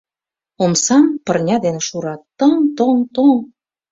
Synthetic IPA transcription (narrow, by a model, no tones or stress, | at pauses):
omsɑmpə̆rnʲɑd̪eneʃuɾɑt̪ːɤŋt̪oŋt̪oŋ